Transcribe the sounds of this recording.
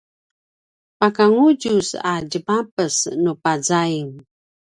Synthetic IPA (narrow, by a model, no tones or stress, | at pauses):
pakaŋuɟusaɟəbapəsnupazaiŋ